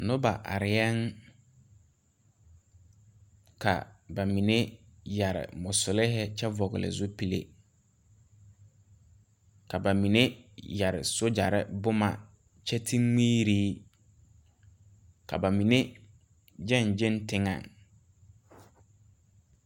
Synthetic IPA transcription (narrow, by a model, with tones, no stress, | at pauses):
nʊ˦ba˨ʔa̰˨ɾɪ˨jɛ˦ŋ | kʰa̰˨ba˨mi˨ne˦ja˨ɾɪ̰˨mʊ˨sʊ˨lɪ˦ɦɛ˦t͡ʃɛ˦vɔ˨ɣɪ̰˨lɪ̰˨zʊ˦pi˨lḛ˨ | ka˨ba˨mi˨ne˦ja˨ɾɪ̰˨so˦d͡ʒa˨ɾɪ̰˦bʊ˦ma̰˨ | t͡ʃɛ˦tʰi˦ŋiː˦ɾiː˦ | kʰa̰˨ba˨mi˨ne˦ | d͡ʒɛ˦˨nd͡ʒɪ˦ntɪ˦ŋa̰˨ŋ